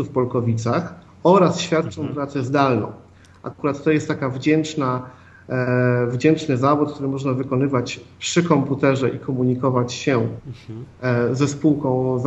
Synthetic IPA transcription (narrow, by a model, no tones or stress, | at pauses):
ufpɔlkɔvʲit̪sax | ɔɾasɕfʲjat̪t͡ʂɔ̃w̃vɾat̪sjɛzd̪alnɔ̰̃w̃ | ʔa̰kuɾat̪ːɔjɛst̪ːakavd͡ʑɛnt͡ʂna | vd͡ʑɛnt͡ʂnɘzavut̪̚kt̪uɾɘmɔʐnavɘkɔnɘvat͡ɕpʂɘkɔmput̪ɛʐɛʔikʰɔmuɲikɔvat͡ɕɕɛ | zɛspuwkɔ̃w̃z